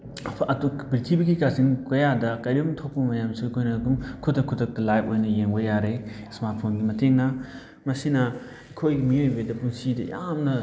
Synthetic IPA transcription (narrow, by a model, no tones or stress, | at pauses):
ɐtubɾitʰibiɡikasiŋkɐjadɐkɐjɾibumtʰok̚pɐmɐjamsikʰojnɐɡumkʰutʰɐkʰːutʰɐk̚tɐlajp̚ojnɐjeŋbɐjaɾe | smaɾt̚pʰonɡimɐteŋnɐ | mɐsinɐ | ɐkʰojɡimiojbedɐpuŋsidɐ̰jamnɐ